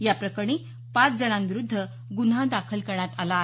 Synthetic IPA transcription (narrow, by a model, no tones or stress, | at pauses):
japɾəkəɳ̃i | pat͡sd͡zəɳ̃ãnʋiɾud̪ʱːə | ɡunɦãd̪akʰəlkəɾɳat̪alaːɦ